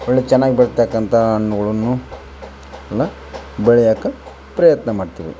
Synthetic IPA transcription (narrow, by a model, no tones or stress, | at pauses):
oɭːet͡ʃɛnːaːɡibɐɾɐt̪ːɐkːɐnt̪ʰɐɐɳːuɡɐɭɐnːu | ɐlːɐ | bɛɭɛjaːkːɐ | pɾɐjɐt̪nɐmaːɖt̪iːʋḭ